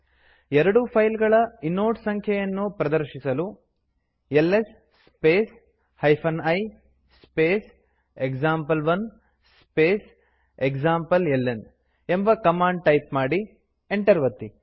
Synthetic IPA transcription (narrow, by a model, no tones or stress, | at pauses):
ɛɾɐɽupʰɐjlɡɐɭɐinːoːʈsɐŋkʰjɐjɐnːupɾɐd̪ɐɾʃisɐlu | elːes | speːs | hɐjpʰɐnɐj | speːs | ekd͡ʒaːmpɐlʋɐn | sspeːs | ekd͡ʒaːmpɐlelːen | embɐkɐmaːɳɖ̚ʈɐjpmaːɽi | eɳʈɐɾʋɐt̪ːi